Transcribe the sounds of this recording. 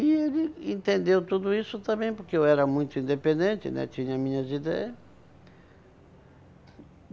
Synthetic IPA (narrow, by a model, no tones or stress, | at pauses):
ielɪẽnt̪ẽnd̪ewt̪ud̪ʊisʊt̪ɐ̃mbẽj̃poɾkɪewɛɾɐmũj̃t̪ʊĩnd̪epẽnd̪ẽnt̪ɪ̰nɛ̰t͡ʃ̪ĩɲɐmĩɲɐzid̪ɛ̰ɐs